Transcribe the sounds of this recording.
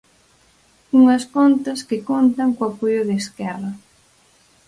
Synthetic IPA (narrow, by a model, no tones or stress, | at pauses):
uŋɐskont̪ɐskɪkont̪ɐŋkoapojʊðeeskɛrɐ